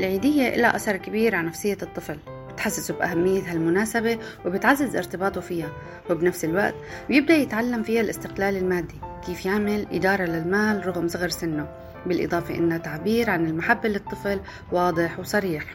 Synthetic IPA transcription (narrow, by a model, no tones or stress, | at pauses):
ʔɪlʕiːd̪ɪjːeʔɪ̰laʔa̰sɑɾˤkɪbiːɾʕanafsɪjːat̪ˤːɨfl | bɪt̪ħasːɪsubʔa̰hamːɪjːat̪halmʊnaːsabewbɪt̪ʕazːɪzʔɪ̰ɾt̪ɪbɑːt̪ufiːha | wɪbnafsɪlwaʔt̪ | bjɪb̚d̪ajɪt̪ʕalːamfihalʔɪst̪ɪqlaːlɪlmaːd̪ːikiːfjaʕmɪlʔɪ̰d̪ɑːɾˤɑlalmaːlɾˤʊɣmsˤɑɣɾsɪnːo | bɪlʔɨ̰d̪ˤɑːfeʔɪ̰nːat̪ːaʕbiːɾʕanɪlmaħabːalɪt̪ˤːɨfl | wɑːd̪ˤɨħwsˤɑɾiːħ